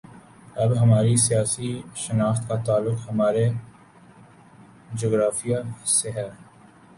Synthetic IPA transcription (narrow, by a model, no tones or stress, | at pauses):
ɐbɦɐmaːɾisijaːsiʃɐnaːxt̪kat̪aːlːʊkhɐmaːɾe | d͡ʒoːɡɾaːfijaseɦɛː